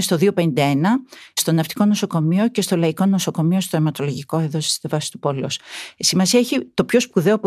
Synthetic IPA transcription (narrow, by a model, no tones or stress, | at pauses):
st̪oðio̞pe̞nind̪ɐe̞nɐst̪o̞nɐft̪i̥ko̞no̞so̞ko̞mio̞ce̞st̪olɐiko̞no̞so̞ko̞mio̞st̪oemɐt̪o̞loʝiko̞eðosi̥st̪evɐsi̥t̪upoleosisimɐsiɐeçit̪o̞pço̞spuðe̞opo